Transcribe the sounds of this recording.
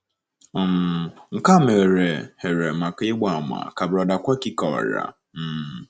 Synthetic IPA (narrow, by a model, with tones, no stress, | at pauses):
mŋ̩˨ka˦˨me˨ɾe˨he˨ɾe˨ma˨ka˦e˦ɡ͡ba˨m˨a̰˨ka˨bɾɔ˨da˨kʷa˦ki˦kɔ˨a̰˨ɾa̰˨ | m̩˦˨